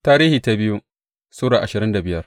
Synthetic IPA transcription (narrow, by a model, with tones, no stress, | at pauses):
taː˦ɾiː˦hiː˨ta˦bɪ˦ju˦ | suː˦ɽaː˨ʔa˨ʃɪ˨ɾɪ˦nda˨bɪ˦jɐ˦r